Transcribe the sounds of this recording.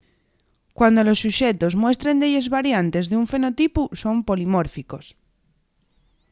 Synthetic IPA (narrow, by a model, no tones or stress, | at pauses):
kwand̪o̞lo̞sːuʃet̪ozmwe̞st̪ɾend̪eʎezβaɾjant̪e̞zðeuɱfe̞no̞t̪ipuso̞mpo̞limoɾfiko̞s